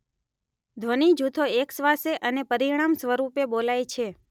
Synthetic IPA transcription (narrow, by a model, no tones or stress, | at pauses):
d̪ʱʋənid͡ʒut̪ʰoeksʋaseʔənepəɾiɽ̃amsʋəɾupebolajt͡ʃʰe